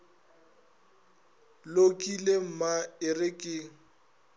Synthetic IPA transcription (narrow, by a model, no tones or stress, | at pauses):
lokʼilem̩maɪrɪkʼɪːŋ̩